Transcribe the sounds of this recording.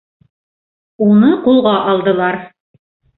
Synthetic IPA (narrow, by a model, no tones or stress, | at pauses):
unɤqulˠʁɑʔɑlˠd̪ɤ̆lˠɑɾ